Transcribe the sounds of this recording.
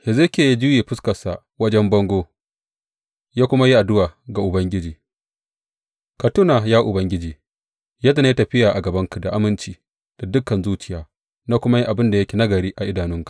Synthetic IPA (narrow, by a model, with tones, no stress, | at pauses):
hɪ˨ze˦kʲeː˨ji˦d͡ʒʊ˦jeː˨ɸɪ˦skɐ˨sa˨ | wɐ˦d͡ʒɛ˦mbɐ˦ŋɡʷoː˦ | jaː˦kʷʊ˦ma˦ji˦ʔa˨dʊ˦waː˨ɡa˨ʔʊ˨bɐ˦ŋɡʲɪ˦d͡ʒiː˨ | ka˨tʊ˦na˨jaː˦ʔʊ˨bɐ˦ŋɡʲɪ˦d͡ʒiː˨ | jaː˦da˨na˦i˦tɐ˨ɸɪ˦jaː˨ʔa˨ɡɐ˨bɐ˦ŋka˨da˨ʔa˦mɪ˦nt͡ʃiː˦ | d̥a˨dʊ˦kːɐ˨nzuː˦t͡ʃɪ̥˨jaː˨˦ | naː˦kʷʊ˦ma˦ji˦ʔa˨bɪ˦nda˨jɐ˦kʲeː˨na˦ɡɐ˨ɾiː˦ʔa˨ʔɪ˦daː˨nʊ˦ŋkḁ˨ʔ